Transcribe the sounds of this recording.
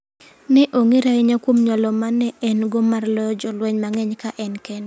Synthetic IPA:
nɪʔoŋiɾaɪɲakwomɲɔlɔmanɛɛnɡɔmarlɔjɔd͡ʒɔlwɛɲmaŋɛɲkaʔɛnkɛn

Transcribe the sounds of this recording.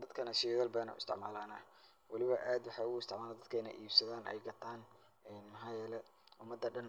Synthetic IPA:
d̪ɐd̪kʰɐnɐʃɪjɣɐlbɐːnɐ̰ʊɪ̰st̪ɪ̰ʕma̰ːlaːnɐ | wɑlɪβɐʔaːd̪wɑħɑːʊɣʊɪst̪ʰɪʕmaːlad̪ɐd̪̚kʰɛjnɐ̰ʔiːbsɐðaːnʔɛ̰jɡɐt̪ʰaːn | ɛːnmɐħɑːjɛːlɛ | ʊmɐd̪ːɐɖɐn

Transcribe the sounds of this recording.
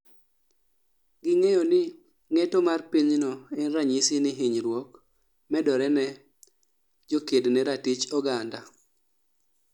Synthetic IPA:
ɡɪŋɛjɔnɪ | ŋɛtɔmarpiɲnɔɛnraɲisɪnɪɦiɲɾwɔk | mɛdɔɾɛnɛ | d͡ʒokednɛɾatit͡ʃɔɡanda

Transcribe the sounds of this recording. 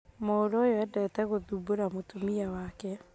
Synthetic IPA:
mooɾojɔɛdɛtɛɣoðuboɾamotomiawakɛ

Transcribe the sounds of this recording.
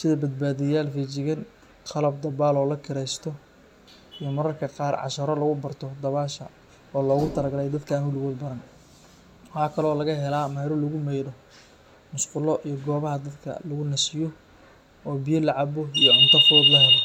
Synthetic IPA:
sɪðɐbɐd̪̚baːðɪjaːlfiːt͡ʃɪɣɐn | qʰɑlɐb̚d̪ɐbaːlɔːlɐkʰɪɾɛjst̪ʰɔ | ijɔmɐɾɐrkʰɐqɑːrʕɑ̰ʃɐɾɔlɐɣʊbɐrt̪ʰɔd̪ɐβaːʃɐ̰ | ɔːlɔːɣʊt̪ʰɐlɐɡɐlɛjd̪ɐd̪kʰɐnʊlɣɔːd̪bɐɾɐn | wɑħɑːkʰɐlɔːlɐɣɐɦɛlaːmɛjɾɔlɐɣʊmɛjɽɔ | mʊsqʊlɔʔijɞɡɔːβɐɦɐd̪ɐd̪kʰɐ̰lɐɣʊnɐsɪjɔ | ɔːbijɐlɐʕɑbɔijɔʕʊnt̪ʰɐfɔːd̪lɐɦɛlɔ

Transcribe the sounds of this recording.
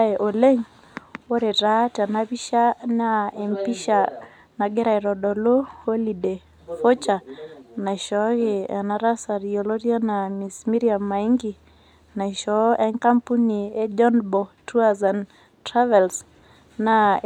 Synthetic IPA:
ɛʔɔlɛŋ | ɔɾɛɾatanaβiʃanaɛmpiʃa | naɡɛɾaɛɾɔɗɔlohɔlidɛ | fɔt͡ʃanaiʃɔɣɛa̰naɾasaɾiɔlɔɾianamismiɾiamaiŋɡi | naiʃɔʔɛŋkampuniɛd͡ʒɔnbɔtuazan | tɾavɛls | na

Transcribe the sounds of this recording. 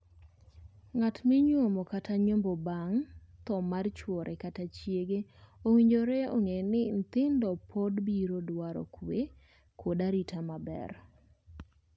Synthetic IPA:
ŋatmɪɲwomɔkatʰaɲombɔbaŋt̪ɔmart͡ʃwɔɾʔɛkatat͡ʃjeɡeowiɲd͡ʒoɾɛo̰ŋenɪn̩t̪ɪndɔpʰɔdbiɾodwaɾɔ̰kʰwe | kʰodaɾitʰamabɛ̰r

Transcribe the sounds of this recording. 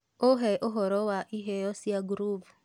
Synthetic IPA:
oɦɛʔoɦɔɾɔwaʔiɦeɔsiaɡuɾuv

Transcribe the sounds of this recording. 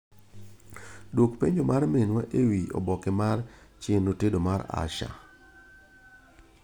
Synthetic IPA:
dwokpeɲd͡ʒomaɾmenwaʔewio̰bɔkɪmart͡ʃɪnːotedomaɾa̰ʃa̰

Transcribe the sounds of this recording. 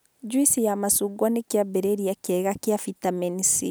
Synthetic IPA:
d͡ʒwisijamasuɡwanekjabɛɾeɾiakɛɣakjafitamenisi

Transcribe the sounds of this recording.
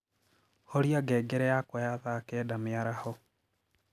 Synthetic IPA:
hoɾiaɡɛɡɛɾɛjakwɔjaðakɛːdamɪaɾahɔ

